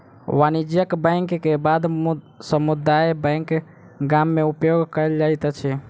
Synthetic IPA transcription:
ʋanid͡ʒjəkbə̃ŋkːebad̪m | səmud̪ajbə̃jŋk | ɡamːeupjoɡkəəld͡ʒajt̪t͡ʃʰɛ

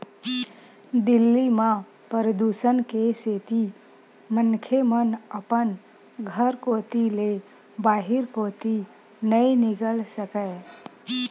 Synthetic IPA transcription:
d̪ɪlːimã | pəɾəd̪usənkeseːt̪i | mənkʰemənəpən | ɡʱəɾkoːt̪ile | baːɦɪɾkoːt̪i | nəinɪkəlsəkə

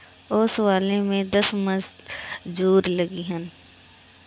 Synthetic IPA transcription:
oːswaːlẽmẽd̪ɐsmə̃d͡ʒd͡ʒuːɾləɡiɦən

